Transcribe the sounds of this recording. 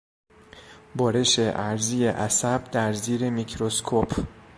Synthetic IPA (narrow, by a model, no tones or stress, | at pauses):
bɒːɾe̞ʃe̞ʔæɾziːjeʔæsæb̥̚d̪æɾziːɾe̞micʰɾoskʰopʰ